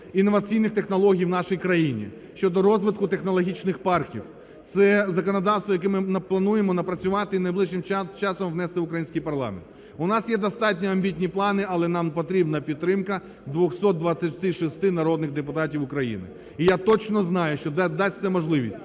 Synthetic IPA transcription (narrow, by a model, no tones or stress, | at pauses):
inːɔʋɐt͡sʲijnɪxt̪exnɔlˠɔɦʲijwnɑʃɔjikɾɐjinʲḭ | ʃt͡ʃɔd̪ɔɾɔzʋɪt̪̚kʊt̪exnɔlˠɔɦʲit͡ʃnɪxpɑrkʲḭw | t̪sɛzɐkɔnɔd̪ɑwst̪ʋɔjɐk̬ɛmɪnɐplˠɐnujemɔnɐpɾɐt͡sʲʊʋɑt̪ɪnɐjblˠɪʒɪmt͡ʃɑsɔmʋnɛst̪ɪʊkɾɐjinsʲkijpɐrlˠɑ̰mḛntt̪ | ʊnɑsjɛd̪ɔst̪ɑtʲnʲiɐmʲbʲitʲnʲiplˠɑnɪɐlˠɛnɑmpɔt̪ɾʲibnɐpʲid̪ɾɪmkɐ | d̪ʋɔxsɔt̪̚d̪ʋat͡sʲːɐtʲt̪ɪʃist̪ɪnɐɾɔd̪nɪɣd̪epʊt̪ɑtʲiwʊkɾɐjḭnɪ̰ | ijat̪ɔt͡ʃnɔznɑjʊʃt͡ʃɔd̪d̪ɑsʲt̪sɛmɔʒlˠɪʋʲḭsʲtʲ